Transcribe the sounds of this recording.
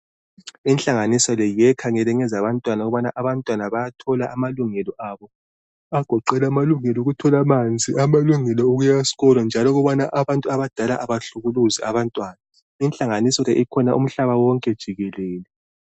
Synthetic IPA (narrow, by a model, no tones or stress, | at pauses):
int͡ɬʼaŋanisɔlɛjɛkʰaŋɛlɛŋɛzaβantʼwanauɣuβanaʔaβantʼwanaβajatʰɔlaʔamaluŋɛlɔʔaβɔ | aɡ̥ʱɔǃɛlamaluŋɛlɔɣutʰɔlamant͡sʼiamaluŋɛlɔuɣujasi̥ɣɔlɔnd͡ʒʱalɔɣuβanaʔaβantʼuaβad̥ʱalaʔaβaɬuɣuluzɛ̰ʔaβantʼwaːna | inɬʼaŋanisɔlɛʔikʰɔnaʔṵm̩ɬaβawɔŋkʼɛd̥ʒ̥ʱiɣɛlɛːlɛ